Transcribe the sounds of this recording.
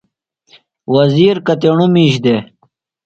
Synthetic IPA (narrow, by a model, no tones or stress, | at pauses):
wɐziːɾkɐt̪eɳumiɕd̪e